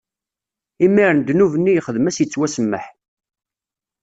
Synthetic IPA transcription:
imːiɾənd̪nuvənːijχəðəmæsjət͡sːwæsəmːə̰ħ

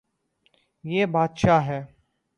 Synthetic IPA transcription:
jeːbaːd̪ʃaɦɛː

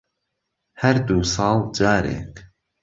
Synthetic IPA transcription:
hɐɾd̪uːsɑːlˠd͡ʒaːɾḛːk

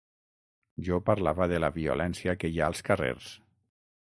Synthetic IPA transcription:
ʒɔpaɾlaβəðəlaβiṵlʔɛnsiakejaəlˠskarḛɾs

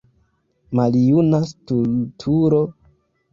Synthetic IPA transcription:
maljunastultʰuɾo̞

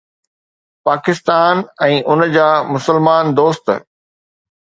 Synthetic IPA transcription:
paːkɪst̪aːnɛ̃ːʔʊnd͡ʑaːmʊsəlmaːnd̪oːst̪

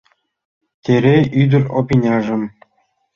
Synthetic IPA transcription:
tʲeɾʲeyd̪ɘ̆rʲopʲinʲɑʐɘ̆m

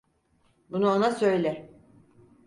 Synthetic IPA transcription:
bunuonasø̞jlʲɪ

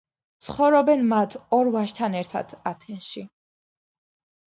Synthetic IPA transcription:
t̪sʰχɔvɾɔbɛnmat̪ʰɔɾvaʃt̪ʰanɛɾt̪ʰa̰d̪̥ʰat̪ʰɛnʃi

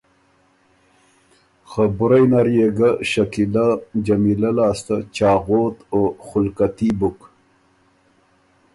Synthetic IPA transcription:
xabʊɾajnaɾjeɡaʃakilad͡ʒamilalɑːst̪at͡ʃɑːɣoːt̪oxʊlkat̪ibʊk

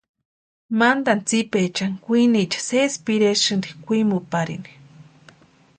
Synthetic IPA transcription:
mand̪ant͡sipet͡ʃaŋkʷinit͡ʃḁsespiɾeʃɨnd̪ikʷimupaɾḭni̥

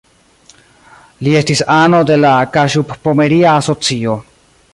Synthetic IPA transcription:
lie̞stisano̞de̞lakaʃuppome̞ɾiaːso̞t͡sio̞

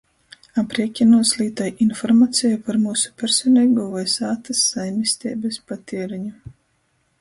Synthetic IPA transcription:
apɾiɛkʲinuɔslʲiːt̪ajʔinfɔɾmaːt̪sʲɛjupaɾmuːsu̥pʲɛɾsʲɔnʲɛɡuvajsaːt̪asːajmʲisʲt̪ʲɛːbɛspat̪ʲiɛɾiɲu

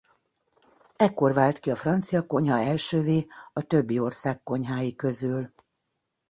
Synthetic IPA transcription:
ɛkːo̞rvaːlt̪kiɒfrɒnt̪sijɒko̞ɲɦɒɛlʃøːveːɒt̪ø̞bːio̞rsaːkːo̞ɲɦaːjikø̞zyl

